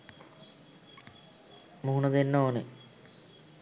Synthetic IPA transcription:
muɦunəd̪enːoːne

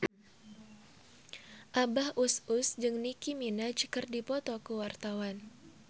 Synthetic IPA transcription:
ʔabahʔusʊsd͡ʒɨŋnikiminad͡ʒkɨrdipɔt̪ɔkuwart̪awan

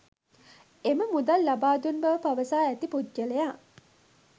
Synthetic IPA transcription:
eməmud̪alːabaːd̪unbɐʋəpaʋəsaːæt̪ipud͡ʒd͡ʒəlejaː

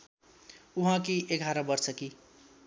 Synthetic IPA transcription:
uɦãkieɡʱaɾabʌrsʌki

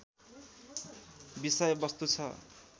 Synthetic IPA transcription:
bisʌjʌbʌst̪ut͡sʰʌ

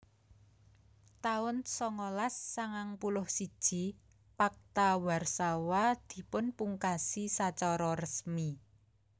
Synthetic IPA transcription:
t̪aʊnsɔŋɔlasːaŋaŋpulʊhsid̥ʒ̥i̤ | pak̚t̪awarsawad̪̥i̤pʊnpuŋkasisat͡ʃɔɾɔrəsmi

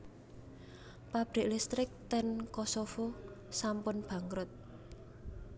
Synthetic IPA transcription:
pab̥ɾɪ̤ʔlist̪ɾɪk̚t̪ɛnkosofosampʊnb̥ä̤ŋɡɾʊt̪̚

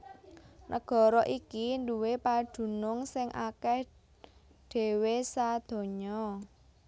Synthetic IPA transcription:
nʔə̰ɡ̥ɔ̤ɾɔʔikinduwepad̪̥ṳnʊŋsɪŋʔakɛh | ɖ̥e̤wesad̪̥ɔ̤ɲɔ

